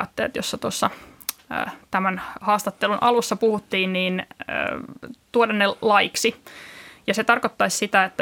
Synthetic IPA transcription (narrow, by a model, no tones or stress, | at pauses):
t̪ːḛːt̪josːɑt̪uosːɑ̰ | t̪æmænhɑːst̪ɑt̪ːelunʔɑ̰lusːɑpuhut̪ːiːnniːn̰ː | t̪uodɑnːelɑjiksi | jɑset̪ɑrkot̪ːɑissit̪æet̪ːæ